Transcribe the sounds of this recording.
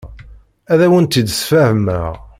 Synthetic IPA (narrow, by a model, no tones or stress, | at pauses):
æðæwənt̪id̪sfæhəmæʁ